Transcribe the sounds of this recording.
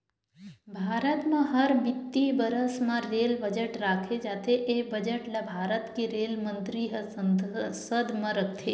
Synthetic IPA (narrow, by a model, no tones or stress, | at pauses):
bʱaːɾət̪mãɦəɾbɪt̪ːibəɾəsmãɾelbəd͡ʒəʈɾakʰed͡ʒaːt̪ʰeʔebəd͡ʒəʈlabʱaːɾət̪keɾelmə̃nt̪ɾiɦəəsəd̪ʱmãɾəkʰt̪ʰe